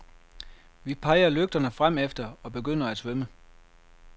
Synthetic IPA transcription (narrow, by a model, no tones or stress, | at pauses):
ʋipʰɑ̈ɪɐløɡ̥̚d̥ɐnəfʁam̰efd̥ɐɒ̽b̥e̝ɡ̥øn̰ɐæ̥sʋømə